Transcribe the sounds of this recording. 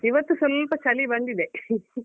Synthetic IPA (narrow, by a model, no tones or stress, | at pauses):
iʋɐt̪ːusulːpɐt͡ʃɐlibɐɳd̪id̪e